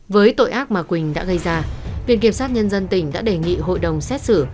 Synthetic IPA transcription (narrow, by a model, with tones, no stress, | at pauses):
vəː˨˦jt̪o̰˧˨jʔaː˦˥k̚maː˨˩kwï˨˩ŋ̟ɗa̰ː˧˥ɣə˧jzaː˧vḭ˧˨nki˧˩əmsaː˦˥t̚ɲə˧nzə˧nt̪ï˧˩ŋ̟ɗa̰ː˧˥ɗe˨˩ŋḭ˧˨ɦo̰˧˨jɗə˨˩wŋ͡msɛ˦˥t̚sɨ˧˩